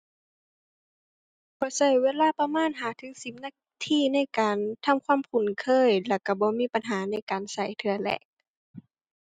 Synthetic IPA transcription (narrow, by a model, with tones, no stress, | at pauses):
b̥ɔː˧˦sa˧˩jweː˧˥˨laː˧˥˨pa˧maː˧˥˨nɦaː˨˦t̪ʰɯː˧˦˥si˧˦m̚naː˧˥˨k̚ | t̪ʰiː˧˥˨na˧˥˨jkaː˨nt̪ʰa˧˥˨mkʰwaː˧˥˨mkʰu˨˩˦nkʰɤː˧˥˨jlɛ˧˩ka˧˩bɔː˧˦miː˧˥˨pa˨nɦaː˨˦na˧˥˨jkaː˨nsa˧˩jt̪ʰɯ˧ɐlɛ̰ː˧˩k̚